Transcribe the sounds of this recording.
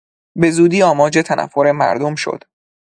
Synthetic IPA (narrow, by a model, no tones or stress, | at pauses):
be̞zuːd̪iːɒːmɒːd͡ʒet̪ʰænʔæ̰fːoɾe̞mæ̰ɾd̪omʃo̰d̪̥